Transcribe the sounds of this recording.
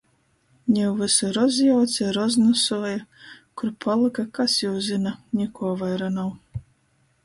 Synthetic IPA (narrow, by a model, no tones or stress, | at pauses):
nʲɛwvɨsuɾɔzjawt̪sʲiɾɔznɔsuɔjakuɾpʰalˠɨkakasjɛwzɨnanʲikuɔvajɾanaw